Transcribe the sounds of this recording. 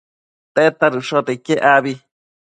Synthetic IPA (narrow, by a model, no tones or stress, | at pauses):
t̪et̪aɾuʂot̪ekeʔaβi